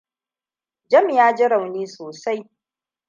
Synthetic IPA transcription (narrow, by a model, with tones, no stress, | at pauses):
d͡ʒɐ˦mjaː˦d͡ʒɪ˦ɽa˨wniː˦soː˨sa˦j